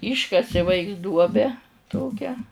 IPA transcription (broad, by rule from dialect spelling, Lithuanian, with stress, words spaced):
ˈiːʃkɐsʲɪ ˈʋɐɪks ˈduɔbʲɛ ˈtoːkʲæː